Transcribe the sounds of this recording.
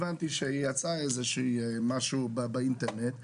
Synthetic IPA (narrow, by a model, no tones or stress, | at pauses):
vantiʃɛijat͡saɛzɛʃimaʃubabaintɛɾnɛt